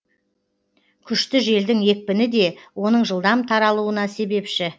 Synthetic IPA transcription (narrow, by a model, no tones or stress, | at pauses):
kʲʰʏʃt̪ɪʒe̞ld̪ɪŋe̞k̚ʲpɪnɪd̪e̞wo̞nəɴʒəlˠd̪ɑmt̪ʰɑɾɑlˠuənɑse̞be̞pʃɪ